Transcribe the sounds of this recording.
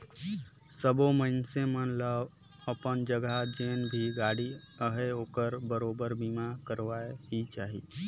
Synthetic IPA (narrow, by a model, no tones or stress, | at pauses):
səboməɪnsemənləʋ | əpənd͡ʒəɡad͡ʒeːnbʱiɡaːɽi | əɦeoːkəɾbəɾoːbəɾbimakəɾʋaeɦit͡ʃaːɦḭː